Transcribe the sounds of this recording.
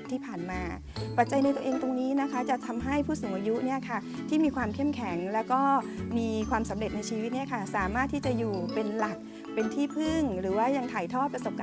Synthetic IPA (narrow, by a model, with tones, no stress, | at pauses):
t̪ʰiː˥˩pʰaː˨˩nmaː˧ | pa˨˩t̪̚t͡ɕa˧jna˧jt̪o˧ʔeː˧ŋt̪o˧ŋniː˦˥na˦˥kʰa˦˥t͡ɕa˨˩t̪ʰa˧mɦa˥˩jpʰuː˥˩soː˩˦ŋʔaː˧ju˦˥ni˥˩ɐkʰa˥˩ | t̪ʰiː˥˩miː˧kʰwaː˧mkʰe˥˩mkʰɛ˩˦ŋlɛː˦˥wkɔː˥˩miː˧kʰwaː˧msa˩˦mɾe˨˩t̪̚na˧jt͡ɕʰiː˧wi˦˥t̪̚ni˥˩ɐkʰa˥˩saː˨˩˦maː˥˩t̪ʰːiː˥˩t͡ɕa˨˩juː˨˩pe˧nla˨˩k̚ | pe˧nt̪ʰiː˥˩pʰɯ˥˩ŋɾɯː˩˦waː˥˩ja˧ŋt̪ʰaː˨˩˦jt̪ʰɔː˥˩t̪̚pɾa˧so˨˩p̚ka˧